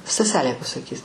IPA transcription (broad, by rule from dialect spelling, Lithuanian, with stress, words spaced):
stɐˈsʲæːlʲeː pɐsɐˈkʲiːs